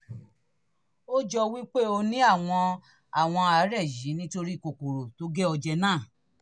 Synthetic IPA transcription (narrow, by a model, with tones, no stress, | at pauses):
o˦d͡ʒɔ˧wi˦k͡pe˦o˧nĩ˦a˦˨w̃ɔ̃˧ | a˨w̃ɔ̃˧a˨˦ɾɛ˦˨ji˨˦nĩ˦to˧ɾi˦˨ko˨ko˨ɾo˨to˨˦ɡɛ˦ɔ˧d͡ʒɛ˧nãː˦˨